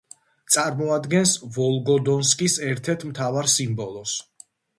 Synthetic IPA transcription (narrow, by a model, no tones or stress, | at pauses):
t̪sʼaɾmɔad̪ɡɛnsvɔlˠɡɔd̪ɔns̬kʼisɛɾt̪ʰɛɾt̪ʰmt̪ʰavaɾsimbɔlˠɔs